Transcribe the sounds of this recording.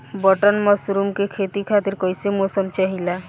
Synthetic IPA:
bɔʈɔnmɔsɾumkekʰet̪ikʰat̪iɾkɔɦjsemosɔmt͡ʃaɦila

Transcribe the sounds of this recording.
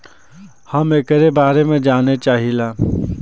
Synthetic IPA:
hɐmekəɾebaːɾemẽd͡ʒaːnet͡ʃaːɦilaː

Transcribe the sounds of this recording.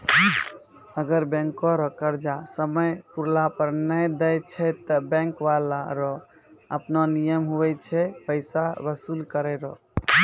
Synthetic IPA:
əɡəɾbɛ̃ŋkɔɾɔkəɾd͡ʒasəməjpuɾlapəɾnəjd̪ɛjt͡ʃʰɛt̪əbɛ̃ŋkʋalaɾɔ | əpnɔnijəmɦuʋɛt͡ʃʰɛpəɪsabəsulkəɾɛɾɔ

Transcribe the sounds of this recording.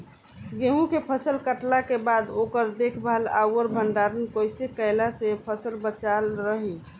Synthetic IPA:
ɡeɦũkepʰəsəlkəʈlakebad̪okəɾd̪ekʰbaəla̰wəɾbʱəɳɖaɾənkojsekəɪlasepʰəsəlbət͡ʃalɾəɦi

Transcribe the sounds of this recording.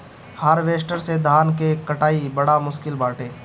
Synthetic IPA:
həɾʋeːʃʈəɾsed̪ʱaːnkekəʈaːibəɽamʊʃkɪlbaːʈʰeː

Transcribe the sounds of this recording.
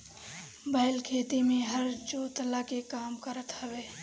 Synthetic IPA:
bəɪlkʰeːt̪imẽɦəɾd͡ʒoːt̪lakekaːmkəɾət̪həbe

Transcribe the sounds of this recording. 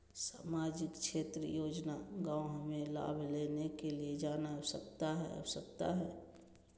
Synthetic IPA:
saːmaːd͡ʒɪkʃʰeːt̪ɾəjoːd͡ʒnaɡãːoɦmẽla̰ːbʱleːnekelied͡ʒaːnasəkt̪aɦɛ̰ə̰bsəkt̪a̰ɦɛː

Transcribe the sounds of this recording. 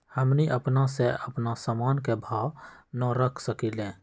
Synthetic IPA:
həmniʔəpnaseəpnasamaːnkebʱaːwnɔɾəkʰsəkilẽː

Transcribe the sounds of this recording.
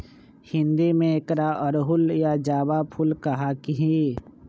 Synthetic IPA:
hɪ̃nd̪imẽekɾaʔɔɾɦʊljad͡ʒaːbapʰʊlkɐɦakiɦi

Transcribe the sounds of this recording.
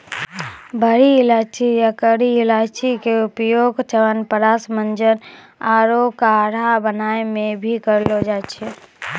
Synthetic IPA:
bʱəɾiɪlat͡ʃʰijakəɾiɪlaːt͡ʃikeupjoːɡt͡ʃʰəʋənpəɾasmənd͡ʒən | aɾokaɾabənaːemẽbʱikəɾlod͡ʒat͡ʃʰɛ

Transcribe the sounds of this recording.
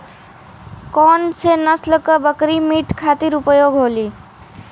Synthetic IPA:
kɔnt͡sʰenʌslʌkʌbʌkɾimiʈkʰat̪iɾupʌjoɡɦoli

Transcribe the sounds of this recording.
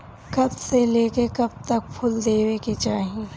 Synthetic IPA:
kɐbseleːkekɐb̚t̪ɐk̚pʰʊld̪eːweket͡ʃaːɦie

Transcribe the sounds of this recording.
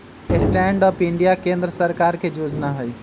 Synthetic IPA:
esʈɛːɳɖɔːpɪ̃ɳɖijakẽːnd̪ɾəsəɾkaːɾkʰed͡ʒoːd͡ʒnaɦʊiː

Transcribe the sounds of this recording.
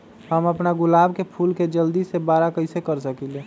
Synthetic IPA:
ɦəməpnaɡʊlaːbkepʰuːlked͡ʒəld̪isebaːɾakəɪsekəɾsəkileː

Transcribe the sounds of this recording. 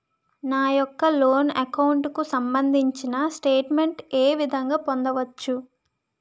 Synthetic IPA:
naːjɔkːɐloːnɐkɐwuɳʈkusɐmbɐnd̪ʱiɲt͡ʃinɐsʈeːʈmeɳʈeːʋid̪ʱɐŋɡaːpond̪ɐʋɐt͡ʃːu

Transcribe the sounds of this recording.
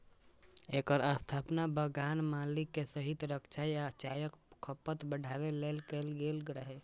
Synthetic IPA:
ekəɾast̪ʰaːpnabəɡanmalikːesəɦit̪ɾəkt͡ʃʰajat͡ʃajəkkʰːəpət̪bəɽʱaʋelelkelɡelɡɾəɦe

